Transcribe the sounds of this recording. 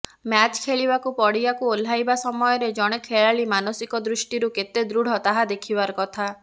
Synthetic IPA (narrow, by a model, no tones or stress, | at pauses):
mat͡ʃkʰeɭibakupɔɽibakuol̤ajbasɔmɔjɔɾed͡ʒɔɽ̃ekʰeɭaɭimanɔsikɔd̪ɾusʈiɾuket̪ed̪ɾuɽ̤ɔt̪aɦad̪ekʰibaɾɔkɔt̪ʰa